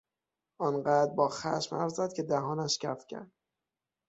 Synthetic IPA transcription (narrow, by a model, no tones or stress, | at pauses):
ʔɒːnɢæːd̪bɒːxæ̰ʃmæ̰fzæd̪̥̚cʰe̞d̪æɦɒːnæʃcʰæfcʰæ̰ɾd̪̥